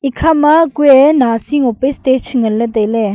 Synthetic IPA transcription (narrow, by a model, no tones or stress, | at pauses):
ikʰamakuɛnasiŋopestet͡ʃʰŋələt̪elɛ